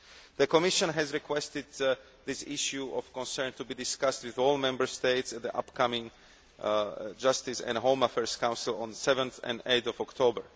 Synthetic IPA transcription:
ðəkɔmɪʃɔ̃nɦɛzɹikʰwɛst̪ɪd̪̚ | ðɪsɪʃjuʔɔfkɔ̃nsɛ̃˞nt̪ubiːdɪskast̪wiðɔːlmɛ̃mbə˞st̪eɪtsɛt̪̚ðiʔa̰pkamɪ̃ŋ | d͡ʒast̪ɪsɛ̰̃ndɦõʊ̃mafɛɹskãw̃nsɪlˠɔ̃nsɛvə̃nθɛ̰̃ndeɪt̪ɔvɔkt̪ʰobəɹ

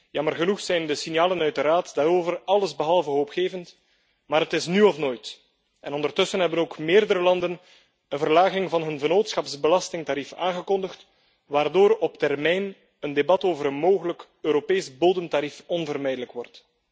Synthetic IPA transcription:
jɑmərɣənuxsɛjndəsinjaːlənœɥt̚dəɾaːtdaːɾoːvərɑləzbəɦɑlˠvəɦoːpxeːvənt | maːɾɦətɪsnyɔfnoːjt | ʔɛ̰nɔndərtɵsənɦɛbənoːkmɪːrdəɾəlɑndən | ənvərlaːɣɪŋvɑnɦɵnvənoːtsxɑpsbəlɑstɪŋtaːɾifa̰ːŋɣəkɔndəxt | ʋaːrdoːɾɔp̚tɛrmɛjn | əndebɑtoːvəɾənmoːɣələk | øːɾopeːsboːdəmtaɾifɔnvərmɛjdələkwɔrt

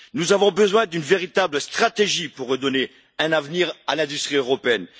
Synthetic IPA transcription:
nuzavɔ̃bəzwɛ̃d̪ynveʁit̪abləst̪χat̪eʒipuʁːəd̪ɔne | ɛ̃navniʁalɛ̃d̪yst̪χiøʁɔpeɛn

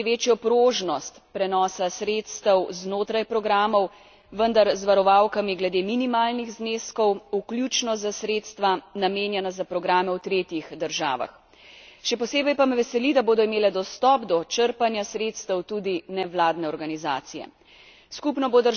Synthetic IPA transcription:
ʋeːt͡ʃjɔpɾoːʒnɔst̪pɾɛnɔːsasɾeːt̪st̪əwznoːt̪ɾajpɾɔɡɾaːmɔw | ʋənd̪aɾzʋaɾɔʋawkamiɡlɛd̪eːminimaːlniɣzneːskɔwuklʲjut͡ʃnɔzasɾeːt̪st̪ʋanameːnjɛnazapɾɔɡɾaːmɛwt̪ɾeːt̪jixd̪əɾʒa̰ːʋa̰x | ʃɛpɔseːbɛjpamɛʋɛsɛlid̪aboːd̪ɔimeːlɛd̪ɔst̪ɔːpd̪ɔt͡ʃəɾpanjasɾeːt̪st̪əwt̪uːd̪inɛʋlaːd̪nɛɔɾɡaniza̰ːt̪sijɛ̰ | skupnɔbod̪ə

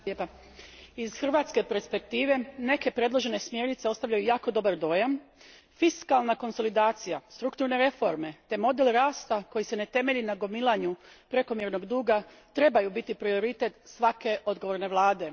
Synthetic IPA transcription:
epa | iz̥xr̩ʋaːt̪ske̞peɾspe̞k̚t̪iːʋe̞ne̞ke̞pɾe̞d̪lˠo̞ʒe̞ne̞smje̞ɾnit̪se̞o̞st̪aʋʎajujaːko̞d̪o̞baɾd̪o̞ːjam | fiskalˠnako̞nso̞lid̪aːt̪sijast̪ɾukt̪uɾne̞ɾe̞fo̞ɾme̞t̪e̞mo̞d̪e̞lɾaːst̪ako̞jise̞ne̞t̪e̞me̞ʎinaɡo̞milˠaɲu | pɾe̞ko̞mjeɾno̞ɡd̪uːɡa | t̪ɾe̞bajubit̪ipɾio̞ɾit̪e̞t̪sʋake̞ʔo̞d̪ɡo̞ʋo̞ɾne̞ʋlˠaːd̪e̞

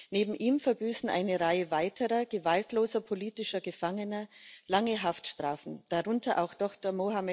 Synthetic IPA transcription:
neːbm̩ʔiːmfɛɐbyːsn̩ʔa̰ɪnəʁaɪəvaɪtʰəʁɐɡ̥əvaltloːzɐpʰoliːtɪʃɐɡəfaŋənɐlaŋəɦaftʃtʁ̥aːfn̩d̥aʁʊntʰɐʔaʊxd̥ɔxtɐmohamɛ

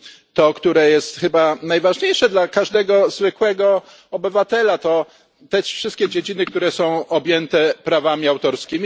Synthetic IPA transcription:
t̪ɔkt̪uɾɛjɛst̪xɘbanajvaʐɲejʂɛd̪lakaʐd̪ɛɡɔzvɘkwɛɡɔ | ɔbɘvat̪ɛlat̪ɔ | t̪ɛʂfʂɘst̪kʲɛd͡ʑed͡ʑinɘkt̪uɾɛsɔ̃w̃ɔbʲjɛnt̪ɛpɾavamʲiawt̪ɔɾskʲimʲi

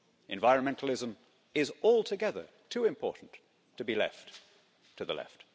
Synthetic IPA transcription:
ʔɨ̰̃ɱvaɪɹɨ̃nmɛ̃ntʰˡl̩ˠɪzə̃m | ɪzɔlˠtʰɨɡɛðə̰˞ | tʰʉɨ̃mpʰɔ̰ɹʔn̩ | tʰɨbilɛ̰fʰ | ɨðə̰lɛ̰ft̚

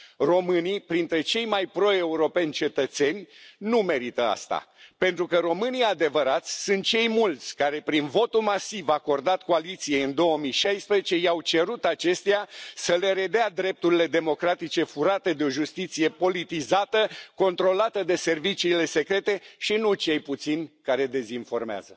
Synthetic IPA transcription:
ro̞mɨnipɾint̪ɾe̞t͡ʃe̞jmajpɾo̞e̞uɾo̞pe̞nʲt͡ʃe̞t̪ət̪se̞nʲnume̞ɾit̪əa̰st̪a̰pe̞nt̪ɾukəɾo̞mɨniad̪e̞vəɾat̪sʲsɨnt̪̚t͡ʃe̞jmult̪sʲkaɾe̞pɾinvo̞t̪ulmasivako̞rd̪at̪ko̞alit̪sije̞jɨnd̪o̞əmijʃajspɾezet͡ʃe̞jawt͡ʃe̞ɾut̪at͡ʃe̞st̪easəle̞ɾe̞d̪ead̪ɾe̞p̚t̪uɾile̞d̪e̞mo̞kɾat̪it͡ʃe̞fuɾat̪e̞d̪eo̞ʒust̪it̪sije̞po̞lit̪izat̪əko̞nt̪ɾo̞lat̪əd̪e̞se̞rvit͡ʃiːle̞se̞kɾe̞t̪e̞ʃinut͡ʃe̞jput̪sinʲkaɾe̞d̪e̞zinfo̞rmea̰zə

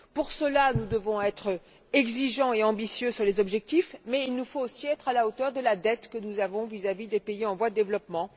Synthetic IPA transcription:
puʁsəlanud̪əvɔ̃ɛt̪χ | ɛɡziʒɑ̃eɑ̃bisjøsyʁlezɔbʒɛk̚t̪ifmɛilnufoːsiɛt̪χalaot̪œʁd̪əlad̪ɛt̪kənuzavɔ̃vizavid̪epeiɑ̃vwad̪əd̪evlɔpmɑ̃

